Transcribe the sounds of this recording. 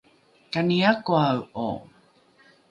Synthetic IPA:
kaniakoawo̰

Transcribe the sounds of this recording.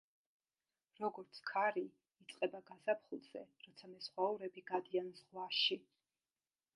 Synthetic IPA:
ɾɔɡɔɾt̪sʰkʰaɾi | it̪sʼqʼɛbaɡazapʰχulˠz̥ɛ̰ɾɔt̪sʰamɛsχwauɾɛbiɡad̪ianzʁwaʃi

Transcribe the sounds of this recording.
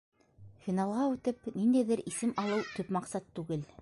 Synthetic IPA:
finɑlˠʁɑʉt̪ɘpnind̪æjðɘɾisɘmɑlˠɤwt̪ɵpmɑqsɑt̪ːʉɡɘl

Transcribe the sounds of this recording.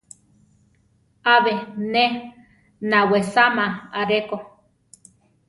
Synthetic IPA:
aβene | nawesamaaɾeko

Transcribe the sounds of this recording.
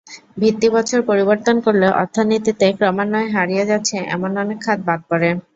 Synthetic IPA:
bʱit̪ːibɔt͡ɕʰoɾpoɾiboɾt̪onkoɾleʔɔɾt̪ʰːanit̪it̪ekɾɔmanːɔeɦaɾijed͡ʑatːɕʰeʔɛ̰monɔnekʰːat̪̚bad̪̚pɔɾe

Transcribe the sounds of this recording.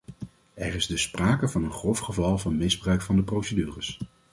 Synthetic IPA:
ɛrɪzdəspraːkəvɑnənχrɔfχəvɑlˠvɑnmɪzbrœɥkfɑndəprowsədyːrəs

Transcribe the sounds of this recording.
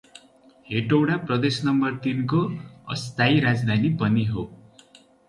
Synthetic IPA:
heʈowɽaprʌd̪esnʌmbʌrt̪inkoʌ̰st̪aiɾad͡zd̪ʱanipʌniɦo

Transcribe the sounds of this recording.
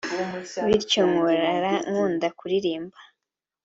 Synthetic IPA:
βiɾcoŋoɾaɾaŋuːndakuɾiɾiːmba

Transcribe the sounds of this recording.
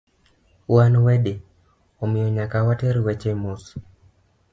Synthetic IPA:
wanwɛde | omɪjɔɲakawatɛɾwɛt͡ʃemus

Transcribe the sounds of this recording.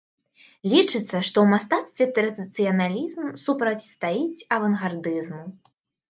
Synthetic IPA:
lʲit͡ʂɨt̪sːɐʂt̪ɔwmast̪at̪st̪vʲɛt̪ɾɐd̪ɨt̪sɨjɐnalʲizmsupɾɐt͡sʲst̪ajit͡sʲɐvɐnɣard̪ɨzmu

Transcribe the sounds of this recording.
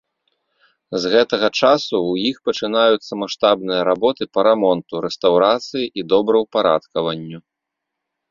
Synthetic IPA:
zɣɛt̪ɐɣɐt͡ʂasuwjixpɐt͡ʂɨnajut̪sːɐmaʂt̪abnɨjɐɾabɔt̪ɨpɐɾamɔnt̪uɾɛst̪awɾat̪sɨjiʔid̪ɔbɾɐwpaɾa̰t̪kɐvɐnʲːu

